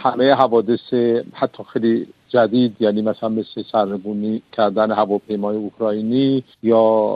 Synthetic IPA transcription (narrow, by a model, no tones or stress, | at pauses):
hamejeɦævɒːd̪esehat̪ʰːɒːxejlid͡ʒæd̪iːd̪janiːmæsalænmeslesæɾneɡunikʰæɾd̪ænehævɒpʰejmɒːjeukʰɾɒːini | jɒː